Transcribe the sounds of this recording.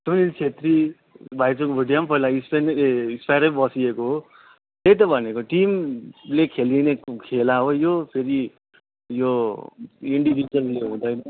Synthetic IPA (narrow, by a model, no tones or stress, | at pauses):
tunilt͡sʰet̪ri | bʱajt͡sokobʱiɖijampʌilaispenispajɾʌbʌsiekoɦo | t̪ejt̪ʌbʱʌnekoʈimlekʰelinekʰelaɦojopʰeɾi | jo | iɳɖibid͡zʌrleɦũd̪ʌjnʌ